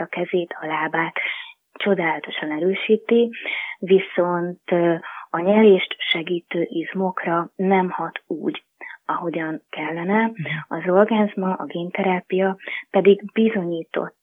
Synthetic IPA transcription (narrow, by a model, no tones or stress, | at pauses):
ɒkɛzeːt̪ʰɒlaːbaːt̪ | t͡ʃo̞d̪aːlɒt̪o̞ʃɒnɛɾøːʃiːt̪iviso̞nt̪ɒɲɛleːʃt̪ʃɛɡiːt̪øːʔizmo̞krɒnɛmhɒt̪ṵːɟ | ɒɦo̞ɟɒnkɛlːɛnɛɒzo̞rɡaːzmɒʔɒ̰ɡeːnt̪ɛɾaːpijɒpɛd̪iɡbizo̞ɲiːt̪o̞̰t̪ː